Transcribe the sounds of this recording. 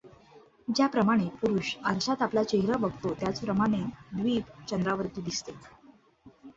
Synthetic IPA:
d͡ʑjapɾəmaɽ̃epuɾuːɕəɾɕat̪aplat͡ɕeɦɾabəɡʱt̪ot̪jat͡spɾəmaɽ̃ed̪ʋiːt͡ɕənd̪ɾaʋəɾt̪iːd̪ist̪e

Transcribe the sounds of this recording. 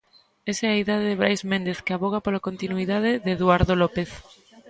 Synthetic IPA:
esɛaiðaðeðɪβɾajzmẽnd̪eθkeaβoɣ̞apolakont̪inuiðaðɪðeðuaɾðolɔpeθ

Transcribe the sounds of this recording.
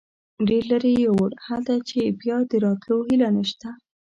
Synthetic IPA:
ɖeɾlaɾejawaɽhald̪at͡ʃebjɑd̪əɾɑt̪lohilanəʃt̪a

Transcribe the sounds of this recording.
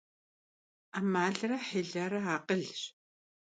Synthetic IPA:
amaːɮraħeɮaɾaaqəɮɕ

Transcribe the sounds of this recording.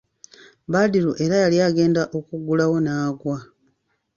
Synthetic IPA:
baːdiɾuʔe̞ɾajaljaːɡe̞ːndaʔo̞kuɡulawo̞naːɡwa

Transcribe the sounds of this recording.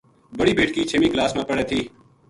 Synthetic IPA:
bəɽiːbeːʈkiːt͡ʃʰeːmiːklaːsmãːpəɽeːt̪ʰiː

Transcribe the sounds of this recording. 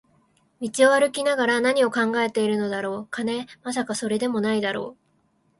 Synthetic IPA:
mʲit͡ɕio̞βaɾɯ̟kʲinaɡaɾanaɲ̟io̞kãŋɡae̞t̪e̞iɾɯ̟nod̪aɾo̞ːkane̞mas̬akaso̞ɾe̞d̪e̞mo̞naid̪aɾo̞ː

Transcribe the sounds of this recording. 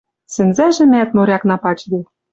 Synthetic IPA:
sɘ̆nzæʒɘ̆mæt̪moɾʲɑknɑpɑt͡ɕd̪e

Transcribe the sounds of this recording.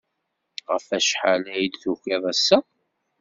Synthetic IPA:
ʁə̰fæʃħalæjd̪θuçɪðˤæsːæ

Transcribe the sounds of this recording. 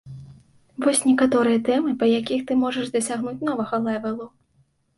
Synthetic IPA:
vɔsʲnʲɛkat̪ɔɾɨjɐt̪ɛmɨpɐjakʲixt̪ɨmɔʐɐʐd̪ɐsʲaɣnut͡sʲn̪ɔvɐɣɐlˠɛvʲɛlˠu

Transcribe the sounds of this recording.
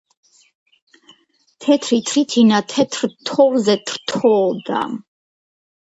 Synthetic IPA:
t̪ʰɛt̪ʰɾit̪ʰɾit̪ʰinat̪ʰɛt̪ʰɾt̪ʰɔvzɛt̪ʰɾ̥t̪ʰɔd̪a̰m

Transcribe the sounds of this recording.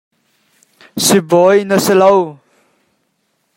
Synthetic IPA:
sibɔjnəsələw

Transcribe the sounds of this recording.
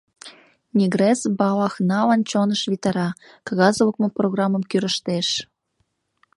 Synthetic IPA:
nʲiɣɾesbɑlɑxnɑlɑnt͡ɕonəʃβit̪ɑɾɑ | kɑɣɑzələkmoproɣrɑmːə̆mkyɾəʃt̪eʃ

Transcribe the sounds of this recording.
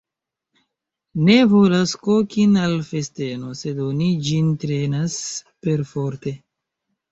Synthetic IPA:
nevolaskokinalfe̞ste̞no̞se̞donid͡ʒintɾe̞naspe̞ɾfo̞ɾte̞

